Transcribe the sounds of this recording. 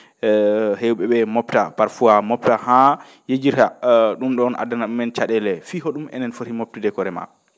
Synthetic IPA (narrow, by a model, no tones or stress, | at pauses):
hewɓɛɓɛmɔptapaɾfuamɔp̚taha | jed͡ʒiɾhaɗumɗɔːnʔa̰danaɗumɛnt͡ʃaɗɛlɛfiɦoɗumʔɛ̰nɛnfoɾimop̚tudɛkɔɾɛma̰